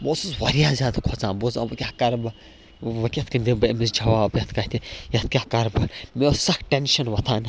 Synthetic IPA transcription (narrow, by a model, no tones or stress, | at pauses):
boːsuzʋɐɾijaːzʲaːd̪kʰot͡sãːbozã̰ːɐkʲaːkɐɾbɨ | ʋɐkʲɐt̪kɐnd̪ibɐmisd͡ʒʱɐʋaːbjɐt̪ʰkɐt̪ʰijɐt̪ʰkʲaːkɐɾbɨmesɐkʈenʃɐnʋɐt̪ʰaːn